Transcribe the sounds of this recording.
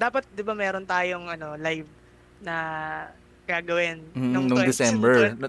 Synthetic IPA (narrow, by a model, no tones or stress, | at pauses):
d̪aːpɐt̪̚d̪ɪbamɛːɾont̪aːjo̞ŋʔɐno̞lajv | nɐ | ɡ̥aːɡɐwɪnm̩ːʊŋnʊd̪ɪsɛmbɛɹn